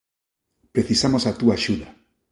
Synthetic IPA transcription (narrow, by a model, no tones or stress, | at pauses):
pɾeθisamosat̪uaʃuða